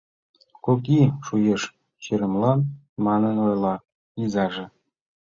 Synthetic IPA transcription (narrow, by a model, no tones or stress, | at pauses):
kokiʃujeʃ | ɕiɾə̆mlɑn | mɑnə̆nojlˠɑ | jizɑʐĕ